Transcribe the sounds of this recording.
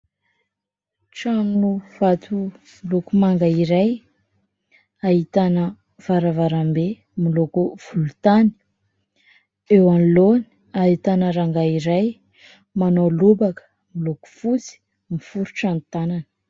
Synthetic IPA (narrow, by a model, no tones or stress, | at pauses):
ʈ͡ʂaminuv̥at̪u | milukumaŋɡaiɾaj | aɦit̪anə | v̥aɾavaɾambe | milukuv̥ulut̪ani̥ | ewaniloni̥ | aɦit̪anəɾaŋɡaiɾaj | manolubakə̥ | miluku̥fut͡si̥ | mifuɾuʈ͡ʂant̪ananə̥